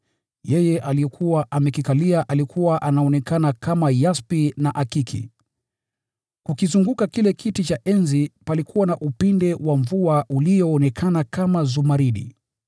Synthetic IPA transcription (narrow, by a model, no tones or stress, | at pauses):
jɛjɛʔaliɛkʰuwaʔamɛkikaliaʔalikʰuwaʔanaɔnɛkanakamajaspinaʔakikʰḭ | kukizuŋɡukakilɛkʰitit͡ʃaʔɛnzipalikʰuwanaʔupindɛwaɱvuaʔulijɔːnɛkʰanakamazumaɾiɗḭ